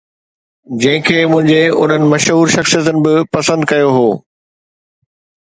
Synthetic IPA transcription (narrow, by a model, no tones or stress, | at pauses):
d͡ʑɐ̃ɦɪ̃kʰeːmʊ̃ɦɪ̃ɲd͡ʑeʊ̰n̤ənɪ̆mɐʃɦuːɾʃɐxsijət̪ənɪ̆bɪpɐsə̃nd̪kɐjoɦoː